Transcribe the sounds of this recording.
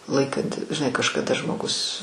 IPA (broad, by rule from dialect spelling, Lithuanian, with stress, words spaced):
ˈlˠɐɪkɐnʲtʲɪ ʒʲɪˈnɐɪ kɐʃkɐˈdɐ ʒmoːˈɡʊs